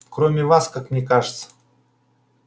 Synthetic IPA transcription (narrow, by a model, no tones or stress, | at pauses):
kɾomʲɪvaskakmnʲɛkaʐɨt̪sə̥